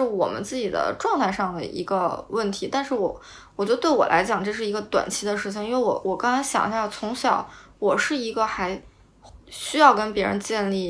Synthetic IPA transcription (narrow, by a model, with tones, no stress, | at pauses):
ɻ̩˥˩wɔ̰˨˩mə̰˦nt͡sɹ̩˥˩t͡ɕi˨˩d̪ə̰˦ʈ͡ʂwɑ˥˧ŋt̪ʰa˥˧ɪʂɑ˥˩ŋd̪ə̰˩ʔḭ˧˥ɡə˧wə˥˩nt̪ʰi˧˥t̪a˥˧nʂɻ̩˥˩wɔ˨˩˦ | wɔ˨˩t͡ɕjt̪we˥˩ɪwɔ̰˨˩lʔa̰˧˥ɪt͡ɕjɑ˨˩ŋʈ͡ʂɤ˥˧ʂ̬ɻ̩˥˩i˧˥ɡə˧t̪wa̰˨˩nt͡ɕʰi˥d̪ə˧ʂɻ̩˥˩t͡ɕʰi˩ŋi˥nwe˥˧ɪwɔ̰˨˩wɔ˨˩kɑ˥ŋt͡sʰa˧˥ɕjɑ̰˨˩ŋ˥ɕjt͡sʰʊ˧˥ŋɕjɑ˨˩˦ʊwɔ˨˩ʂɻ̩˥˩i˧˥ɡə˧xa˧˥ɪ | ɕy˥jɑ˥˩ʊkə˥npjɛ˧˥ɻə̰˧˥nt͡ɕjɛ˥˧nli˥˩